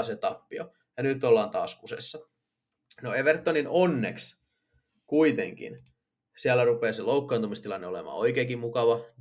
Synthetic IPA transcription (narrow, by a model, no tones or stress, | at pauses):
set̪ɑpːio̰ | jɑnyt̪ːolːɑːnt̪ɑ̰ːskusḛsːɑ | noeʋert̪ːoninonːḛks | kuit̪ḛŋkḭn | siælːˑærupeːseloukːɑːnt̪umist̪ilɑnːeolḛmɑ̰ːoikeːkimmukɑʋɑ